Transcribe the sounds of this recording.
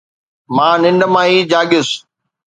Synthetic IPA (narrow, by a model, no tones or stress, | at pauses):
mãːnɪ̃nɖəmãːiːd͡ʑaːɠʊs